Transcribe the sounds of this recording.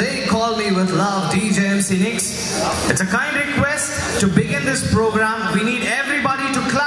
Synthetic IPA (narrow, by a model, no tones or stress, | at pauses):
eɪkʰɔːlmiwɪd̪lʌʋɖid͡ʒeɛ̃msinɪ̃ks | ɪʈsəkãɪ̃nɖɾɪkwɛsʈːubɪɡɪ̃nd̪ɪspɾoɡɾæ̃mwiniːɖɛvɾibɔɾiʈukla